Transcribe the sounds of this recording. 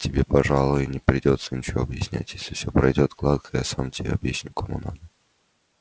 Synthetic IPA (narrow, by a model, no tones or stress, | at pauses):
tʲɪbʲe̞pɐʐalˠʊjɪnʲɪpɾʲɪdʲo̞t̪sənʲɪt͡ɕɪvoːɐbjɪsʲnʲæ̰tʲjesʲlʲɪfsʲopɾɐjdʲo̞t̪ɡlˠad̪kəjasamtʲɪbʲḛɐbjesʲnʲʊkʰɐmṵna